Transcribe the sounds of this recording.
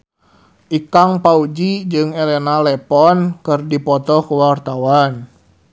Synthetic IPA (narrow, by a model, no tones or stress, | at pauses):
ʔikaŋpaud͡ʒid͡ʒɨŋɛlɛnalɛpɔnkɨrdipɔt̪ɔkuwart̪awan